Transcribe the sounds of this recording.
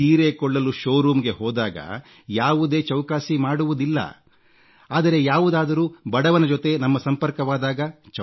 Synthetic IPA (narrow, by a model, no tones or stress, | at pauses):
iːɾeːkɔɭːɐluʃoːɾuːmɡe̞ɦoːd̪aːɡɐ̰ | jaːʋud̪e̞ːt͡ʃɐwkaːsimaːɽuʋud̪ilːɐ̰ | aːd̪ɐɾe̞jaːʋud̪aːd̪ɐɾuːbɐɽɐʋɐnɐd͡ʒɔt̪e̞nɐmːɐsɐmpɐɾkɐʋaːd̪aːɡɐt͡ʃɐ